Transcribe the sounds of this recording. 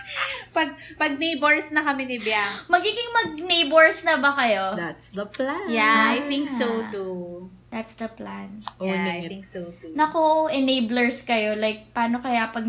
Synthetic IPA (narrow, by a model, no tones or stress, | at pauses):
pɐɡ̚pɐɡ̚nejboɹsnɐkɐmɪnɪbjaŋmɐɡiːɡɪŋmɐɡ̚nejboɹsnɐbɐkɐjo̞d̪at̪sd̪ɐplajaajθɪŋksot̪u | d̪at̪sd̪ɐplanʔojɪŋksot̪unɐkoʔɛnejblɛɹskɐjo̞lajk̚paːno̞kɐjapɐɡ̚